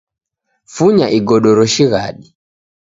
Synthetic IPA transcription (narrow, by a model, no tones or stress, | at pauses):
fuɲaʔiɡɔɗɔɾɔʃiɣaɗi